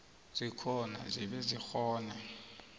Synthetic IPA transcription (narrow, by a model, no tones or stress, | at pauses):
z̥ikʰɔna̰ziɓɛzixɔːnɛ